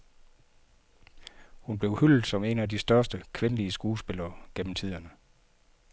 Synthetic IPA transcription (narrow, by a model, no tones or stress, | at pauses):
hunb̥le̝ʊhyl̰d̩ˠsɒ̽me̝næd̥isd̥ɶɐsd̥əkʰʋe̝nəliəsɡ̥uːsb̥e̝lɐːɡ̥en̰m̩t͡sʰið̰ˠɐnə